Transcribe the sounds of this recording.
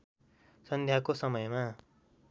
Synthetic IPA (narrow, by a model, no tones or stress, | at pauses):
sʌnd̪ʱjakosʌmʌjma